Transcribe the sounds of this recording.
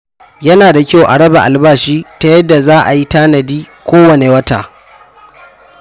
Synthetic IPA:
jɐ˦naː˨da˨kʲa˦wʔa˨ɽɐ˦ba̰˨ʔa˨lbaː˦˨ʃiː˦ta˦jɐ˦dːa˨zaː˦ʔa˨ji˦taː˦nɐ˨diː˦ | kʷoː˦wɐ˨ne˨wɐ˦ta̰ː˨

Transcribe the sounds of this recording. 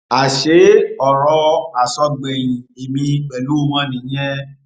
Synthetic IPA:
a˨ʃe˨˦ɔ˨ɾɔ˧a˨sɔ˧ɡ͡bɛ˨j̃ĩ˨e˨mĩ˧k͡pɛ˨lu˨˦mã˦nĩ˨˦jɛ̃˦

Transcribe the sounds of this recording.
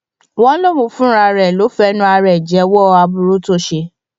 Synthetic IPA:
wɔ̃˦lo˦˨ũ˧fũ˦ɾa˧˨ɾɛ˨lo˨˦fɛ˦nũ˦a˧ɾɛ˨d͡ʒɛ˨˦wɔ˦˧a˧bu˧ɾo˦to˦ʃe˧

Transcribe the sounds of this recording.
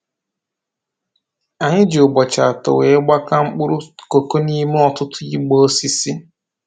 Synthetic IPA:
a˨ɲɪ˦d͡ʒo˨ɡ͡bɔ˨t͡ʃa˨tʊ̰˨we˨ɪ˦ɡ͡ba˦ka˦ŋ͡m̩˦k͡pʊ˦ɾʊ˦ko˨ko˦ni˦m˦ɔ˨tʊ˦tʰʊ˦ji˦ɡ͡bo˦o˦si˦sɪ˦

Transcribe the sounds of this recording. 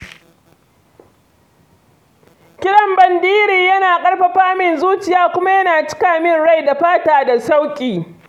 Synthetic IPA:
kʲɪ˦ɽɐ˨mbɐ˨ndiː˦ɾiː˨jɐ˦naː˨kʼɐ˦ɽɸa˨ɸaː˦mɪ˨nzuː˦t͡ʃɪ˨jaː˦kʷʊ˦ma˦jɐ˦naː˨t͡ʃɪ̥˦kaː˨mɪ˦nɽa˦˨jda˨ɸaː˦taː˨da˨sa˦wkʲʼiː˨

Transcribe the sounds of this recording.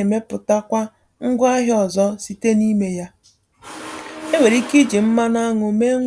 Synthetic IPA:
e˨me˦pʊ˨ta˦kʷa˦ | ŋ̩˦ɡʷa˦ɦɪ˦ɔ˨zɔ˦si˨te˦ni˦me˦ja˦ | e˦we˨ɾi˦ki˦d͡ʒi˨m̩˦ma˦na˦ŋʊ˨me˦

